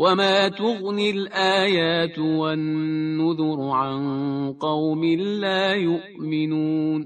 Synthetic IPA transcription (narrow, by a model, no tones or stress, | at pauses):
wamaːt̪ʊɣnɪlʔaːjaːt̪wanːʊðʊɾʕanqɑwmɪːaːjʊʔmɪnuːn